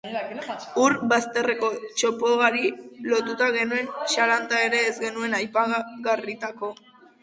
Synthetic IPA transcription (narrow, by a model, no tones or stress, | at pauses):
uɾbast̪e̞re̞ko̞t͡ʃo̞poɣaɾilo̞t̪ut̪aɣe̞nue̞nʃalant̪ae̞ɾe̞ːzɡe̞nue̞najpaɣarit̪ako̞